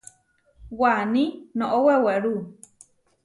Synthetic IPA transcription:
wanĩnõʔoweweɾu

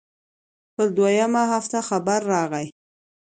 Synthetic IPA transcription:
pəɾd̪wajamaɦaft̪axabaɾːɑɣaj

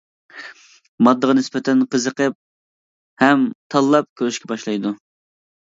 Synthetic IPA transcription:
mɑd̪ːəʁɑnɪspɛt̪ʰɛnqəzəqəp̚ | hɛmt̪ʰɑlˠːɑp̚kʲʰøɾyʃkʲʰɛbɑʃlˠɑjd̪u

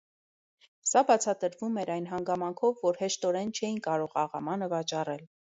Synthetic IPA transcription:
sɑbɑt͡sʰɑt̪əɾvumɛɾɑjnɦɑŋɡɑmɑŋkʰɔvːɔɾhɛʃt̪ɔɾɛnt͡ʃʰɛjinkɑɾɔʁɑʁɑmɑnəvɑt͡ʃɑrɛl

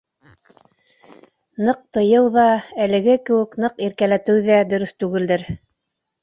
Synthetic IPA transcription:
nɤq̚t̪ɤ̆jɤwðɑælɘ̆ɡɘkɘ̆wɘ̆knɤqiɾkælæt̪ɘwðæd̪ɵ̆ɾɵθt̪ʉɡɘ̆ld̪ɘɾ

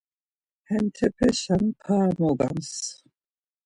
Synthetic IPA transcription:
hɛnt̪ʰɛpʰɛʃampʰaːmɔɡa̰ms

